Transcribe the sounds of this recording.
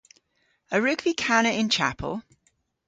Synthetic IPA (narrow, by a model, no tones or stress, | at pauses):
əɹʉɡb̥ikʰanəɪ̃nt͡ʃʰa̰pʰə̰lˠ